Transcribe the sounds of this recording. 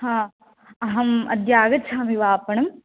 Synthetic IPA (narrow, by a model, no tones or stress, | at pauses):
hãː | ɐɦɐmɐ̰d̪jaːɡɐt̪t͡ʃʰaːmiʋaːpɐɳɐm